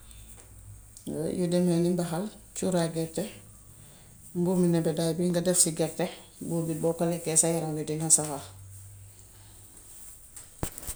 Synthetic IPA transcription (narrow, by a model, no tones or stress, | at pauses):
judɛmɛnimbaɦal | t͡ʃuɾaɡɛɾtɛ | mbuminɛbɛdajbiŋɡadɛfsiɡɛɾtebubibɔkolɛkɛsajaɾaŋjudinhasawa